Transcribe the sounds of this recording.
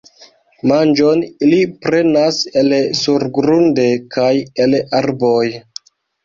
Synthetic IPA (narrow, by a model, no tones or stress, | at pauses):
mand͡ʒonilipɾe̞nase̞lsuɾɡɾunde̞kʰajelaɾboj